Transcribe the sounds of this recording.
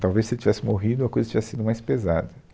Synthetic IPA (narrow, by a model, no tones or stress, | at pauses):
t̪awvejsɪt͡ʃivɛsɪmoɦid̪ʊɐkojzɐt͡ʃivɛsɪ̥sid̪ʊmajspezad̪ɐ